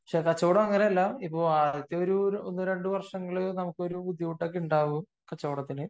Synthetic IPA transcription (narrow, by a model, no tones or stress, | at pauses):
pɐkʂekɐt͡ɕːoːɽɐmɐŋːɐneɐlːɐipːo̞ːɭɐðit̪ːeoɾuonːɨɾe̞ɳɖuʋɐrʂɐŋːɐɭnɐmukːɨo̞ɾubud̪ʱjiʋuʈːoːkːeuɳɖaːʋu | kɐt͡ɕːo̞ːɽɐt̪ːinɨ